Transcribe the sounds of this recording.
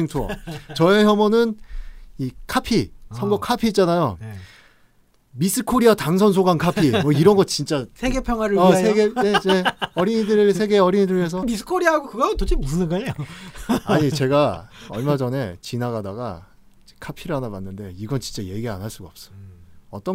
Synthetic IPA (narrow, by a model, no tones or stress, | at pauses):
iŋtʰo̰t͡ɕʌe̞çjʌmʌnɯnikʰapʰisʰʌɡʌkʰapʰiːt͡ɕ͈anajo | mis͈ʰɯkʰoɾiataŋsʰʌnsʰoɡankʰapʰimwʌiɾʌnɡʌt̚t͡ɕint͡ɕ͈asʰeɡepʰjʌŋwaɾɯɭʌsʰeɡe̞ene̞ʌɾiɲidɯɾɯsʰe̞ɡe̞ʌɾiɲidɯɾes̬ʰʌmisɯ̥kʰoɾiaɦaɡokɯɡʌtot͡ɕembusʰɯnɯnɡaejoaɲit͡ɕe̞ɡaʌ̰ɭmad͡ʑʌne̞t͡ɕinaɡadaɡa̰ | kʰapʰiɾanapanːɯnde̞iɡʌnt͡ɕint͡ɕ͈aje̞ɡia̰nɦaɭs͈uɡaʌp̚s͈ʌ̥ʌt͈ʌ